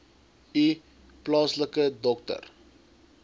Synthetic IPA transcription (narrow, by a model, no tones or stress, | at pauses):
i | plɑːsləkədɔk̚tə̰r